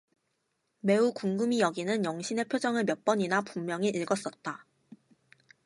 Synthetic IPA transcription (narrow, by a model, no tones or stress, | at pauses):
me̞ukuŋɡɯmijʌɡinɯnjʌŋɕʰine̞pʰjod͡ʑʌŋɯɭmjʌp͈ʌɲinapumːjʌŋiʔiɭɡʌs͈ʌt̚t͈a